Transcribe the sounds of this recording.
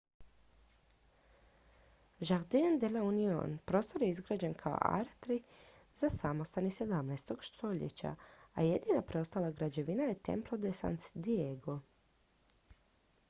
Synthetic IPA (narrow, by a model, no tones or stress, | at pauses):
ʒaɣd̪eand̪eleunio̰npɾo̞ːst̪o̞ɾjeizɡɾaːd͡ʑenkʰao̰ʔa̰ɾt̪ɾi | z̥asamo̞st̪anise̞d̪amnaest̪o̞ɡ̥ʃt̪ʰo̞ʎḛt͡ɕa̰aje̞d̪ninapɾeost̪alaɡɾad͡ʑe̞ʋinajet̪e̞̰mplˠod̪esa̰nsd̪ieɡo